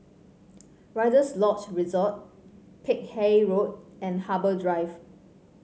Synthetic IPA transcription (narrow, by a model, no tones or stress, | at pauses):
ɹaɪdəslɔkt͡ʃɹizɔt̚ | pʰɪk̚heɹot̚ɛ̃nhabədɹaɪv